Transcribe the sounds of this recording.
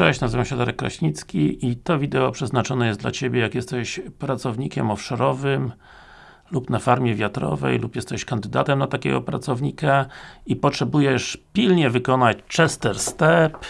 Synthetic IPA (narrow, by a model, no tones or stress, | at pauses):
ɛɛɕnazɨvamɕɛd̪aɾɛkːɾa̰ɕɲit̪skʲiʔit̪ɔvʲid̪ɛɔpʂɛznat͡ʂɔnɛjɛst̪d̪la̰t͡ɕebʲjɛjakjɛst̪ɛɕpɾat̪sɔvɲikʲɛmɔfʂɔɾɔvɘm | lupnafaɾmʲjɛvʲjat̪ɾɔ̰vɛ̰jlupjɛst̪ɛɕkand̪ɘd̪a̰t̪ɛmnat̪akʲɛ̰ɡɔpɾa̰t̪sɔvɲikaipɔtʂɛbujɛʂpʲilɲɛvɘkɔnat͡ɕt͡ʂɛst̪ɛɾst̪ɛp